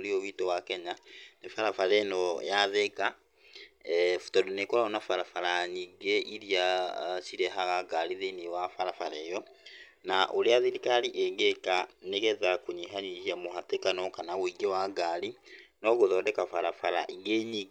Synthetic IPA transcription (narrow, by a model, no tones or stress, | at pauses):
oɾiowitowakɛɲanefaɾafaɾɛnɔjaðeka | fu̥tɔdonekɔɾaɔnafaɾafaɾaɲiɡeʔiɾiasiɾɛɦaɣaɡaɾiðenewafaɾafaɾɛjɔ | naʔoɾeaðiɾikaliʔɛŋɡekaneɣɛðakuɲiɦaɲiʃiamoɦatekanɔkanawoiɡewaɡaɾinɔɣoðɔːdɛkafaɾafaɾa̰ʔiŋɡeːɲi